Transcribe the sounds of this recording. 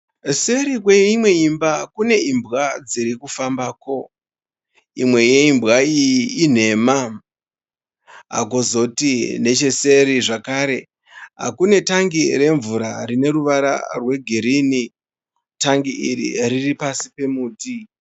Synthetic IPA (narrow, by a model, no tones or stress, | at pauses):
se̞ɾik̬weimwe̞imbakune̞imbɣad͡ziɾikufambaːko̞ | imwe̞jeimbɣaijiin̤e̞ma | ɦa̰kozo̞tine̞t͡ʃe̞se̞ɾiʐakaːɾe̞ | ɦa̰kune̞taŋɡiɾe̞ɱvuɾarine̞ɾuʋaɾa̰rwe̞ɡʱiɾiːni | taŋɡiiɾḭriripasi̥pe̞muːti